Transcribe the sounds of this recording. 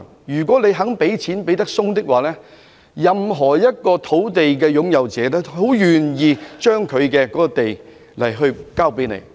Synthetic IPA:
jyː˨˩k̬ʷɔː˨˥le˨˧jɦɐ˨˥ŋpe˨˥jt͡sʰiː˨˥npe˨˥jt̪ɐ˥k̚sʊ˥ŋt̪ɪ˥k̚waː˨˩lɛː˥ | jɐ˨mɦɔː˨˩jɐ˥t̚kɔː˧t̪ʰo˨˥wt̪e˨jk̬ɛː˧jʊ˨˥ŋjɐ˨wt͡sɛː˨˦lɛː˥ho˨˥wjyː˨˩njiː˨t͡ʃœː˥ŋkʰɵ˨˧ɥkɛː˧kɔː˨˦˥kɔ˧t̪e˨j | lɐ˨˩jɦɵ˧ɥkaː˥˩wpe˨˥jnḛ˨˧j

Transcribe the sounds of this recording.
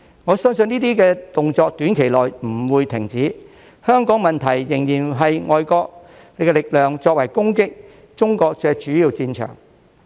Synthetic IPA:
ŋɔː˨˧sœ˥ŋsɵ˧niː˥t̪̬iː˥kɛː˧t̪ʊ˨ŋt͡sɔː˧k̚t̪yː˨˥nkʰe˨˩jlɔː˨jm̩˨˩wuː˨˧jt̪ʰɪ˨˩ŋt͡siː˨˥ | hœː˥ŋkɔː˨˥ŋmɐ˨nt̪ʰɐ˨˩jːɪ˨˩ŋjiː˨˩nɦɐ˨jŋʔɔ̰ː˨jkɔː˧k̚ | ne˨˧jkɛ˧lɪ˨k̚lœː˨ŋt͡ʃɔː˧k̚wɐ˨˩jkʊ˥ŋkɪ˥k̚ | t͡ʃʊ˥ŋkɔː˧k̚t͡sɛː˧t͡ʃyː˨˥jiː˨˧wt͡siː˧nt͡ʃʰœ̰ː˨˩ŋ

